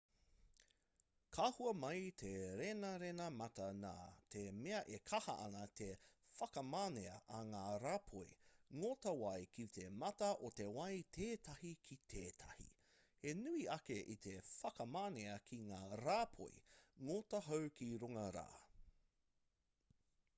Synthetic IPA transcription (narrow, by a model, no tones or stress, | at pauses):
kʰaːhuɐmɐjtʰeɾenɐɾenɐmɐtɐna̰ːtʰemeɐʔekʰɐhɐ̰ʔɐ̰nɐtʰefɐkɐmaːneɐʔɐŋaːɾaːpʰojŋotɐwɐjkʰit̪ʰe̞mɐtɐʔotewɐjtʰeːtʰɐhikʰit̪ʰeːtʰɐ̰hḭ | enʉiɐkeʔit̪ʰefɐkɐmaːneɐkʰiŋaːɾaːpʰo̰j̰ŋotɐɦowkʰiɾuŋɐɾa̰ː